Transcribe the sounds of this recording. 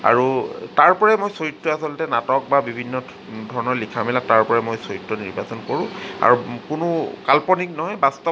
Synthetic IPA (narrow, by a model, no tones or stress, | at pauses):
a̰ɹutaɹpɔɹɛmojsojitːɔasɔltɛnatɔk̚babibʱinːɔ | dʱɔɹɔnɔɹlikʰamilataɹpɔɹɛmojsoitːɔniɹbasɔnkɔɹʊ̃a̰ɹukʊnʊkalpɔniknɔɦɔjbastɔ